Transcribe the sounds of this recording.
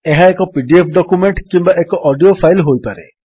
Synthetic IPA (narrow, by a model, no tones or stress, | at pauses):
eɦaekɔpiɖiepʰɖɔkumeɳʈkimbaʔekɔʔɔɖiopʰajlɦojpaɾe